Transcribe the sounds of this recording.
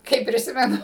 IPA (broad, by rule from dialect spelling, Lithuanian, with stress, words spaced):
ˈkɐɪp pʲrʲɪˈsʲɪmʲɛnʊ